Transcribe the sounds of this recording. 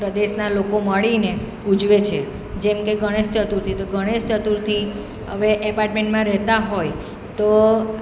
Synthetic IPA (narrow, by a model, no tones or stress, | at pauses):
pɾəd̪eʃnalokoməɭine | ud͡ʒʋet͡ʃʰe | d͡ʒɛmkeɡəɽ̃eʃt͡ʃət̪uɾt̪ʰit̪oɡəɽ̃eʃt͡ʃət̪uɾt̪ʰi | ɦə̰ʋeʔəpaɾʈmẽɳʈmãɾɛɦt̪aɦoj | t̪o